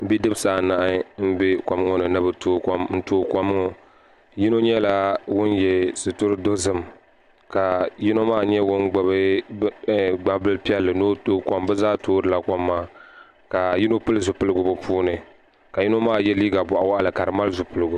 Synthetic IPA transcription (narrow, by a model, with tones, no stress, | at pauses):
bi˦dɨ˦bsaː˨na˨ʔɪ˦n̩˦bɛ˦kʷa˨m˦ŋɔ˦nɨ˨nɨ˦bɨ˨to˦kn̩˦toː˦kʷa˦m˦ŋɔ˦ | ji˦no˦ɲɛ˦la˦wʊ˦njɛ˨sɨ˨tʊ˦ɾɨ˦do˦zɨ˦m | ka˨ji˦no˦maː˦ɲɛ˦wʊ˦nɡ͡ba˨bɨ˦ | ɡ͡ba˨bɨ˦lpi˦ɛ˦lːɨ˨no˦toː˦kʷa˦mbɛ˦zaː˦toː˦ɾɨ˨la˦ka˦mːaː˦ | ka˨ji˦no˦pɨ˦lɨ˦zʊ˨pɨ˦lɨ˦ɡʊ˨bʊ˨pʰuː˦nɨ˨ | ka˨ji˦no˦maː˦jɛ˦liː˦ɡa˨bɔ˨ʔa˨wa˦ʔa˦lɨ˨ka˨ɾɨ˨ma˦lzʊ˨pɨ˦lɨ˦ɡʊ˨